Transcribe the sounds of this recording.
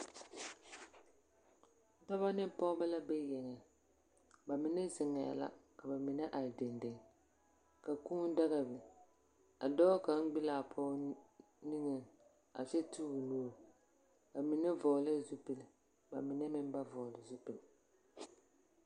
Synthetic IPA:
dɔ˦βa˦nɨ˦pɔ˦ba˦la˦bɛ˦jɛ˨ŋɛ˨ | ba˨mɪ˨nɛ˦zɪ˨ŋa˨a̰˨la̰˦ka˨ba˨mɪ˨nɛ˦ʔa˨ɾdɪ˨ndɪ˨ŋ˨ | ka˨kuː˦n˦da˦ɣa˨bɨ˨ | a˨dɔ˦ka˨n̩˦ɡ͡bi˦laː˨pʰɔː˦ | ni˦ŋɨ˨ | a˨t͡ʃɛ˦tuː˦ɡɨ˨nuː˦˨ɾ | ka˨mi˨nɛ˦vɔ˨lɨ˦zu˦pɨ˨lɨ˨ | ba˨mɪ˨nɛ˦mɪ˦m˦ba˦vɔ˨lɨ˨zu˦pɨ˨l

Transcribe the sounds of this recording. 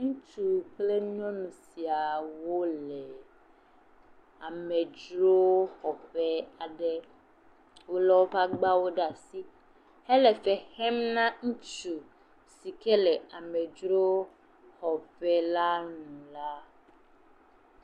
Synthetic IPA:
ŋũ˦t͡ʃu˨ple˦ɲɔ̃˦nũ˨si˨a˨wo˦lɛ˨ | a˨mɛ˨d͡ʒɾo˦hɔ˨ɸɛ˦a˨ɖɛ˦ | wo˦lɔ˦wo˦pa˦ɡ͡ba˦wo˦ɖa˨si˦ | hɛ˦lɛ˨fɛ˨hɛ˦mnã˦ŋũ˦t͡ʃu˨ | si˨kɛ˦lɛ˨a˨mɛ̃˨d͡ʒɾo˦ | hɔ˨ɸɛ˦la˦nũ˨la˦

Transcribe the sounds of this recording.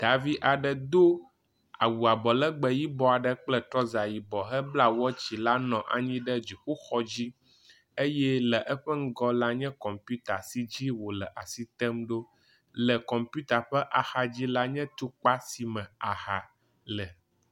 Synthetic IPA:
d̪̥a˨vi˦ʔa˨ɖə˨d̪o˦ | a̰˨wu˨a˨bɔ˨lə˦ɡ͡bə˨ji˦bɔ˦a˨ɖə˦k͡plə˦t̪ɾɔ˦za˨ji˨bɔ˨ɦɛ˦bla˦wɔ˦t͡ɕi˨la˦nɔ̃˨ʔa̰˨ɲĩ˦ɖɛ˦d͡ʑi˨ɸu˦xɔ˦d͡ʑi˦ | e˦jɛ˦lə˨ʔə˦ɸə˦ŋ̩˦ɡɔ˦la˦ɲɛ̃˦kɔ˨mpju˦t̪a˨si˦d͡ʑi˦wo˨lə˨ʔa˨si˦t̪ɛ˦mɖo˦ | lə˨kɔ̃˨mpu˦t̪a˨ɸɛ˦ʔa˨xa˨d͡ʑi˦la˦ɲɛ̃˦t̪u˦k͡pa˦si˨mɛ̃˨a˨xa˨ | lə˨

